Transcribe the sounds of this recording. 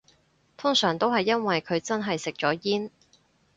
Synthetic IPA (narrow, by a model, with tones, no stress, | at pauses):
t̪ʰʊ˥ŋsœː˨˩ŋt̪o˥wɦɐ˨jːɐ˥nwɐ˨jkʰɵ˨˧ɥt͡sɐ˥nɦɐ˨jsɪ˨k̚t͡ʃɔː˨˥jiː˥n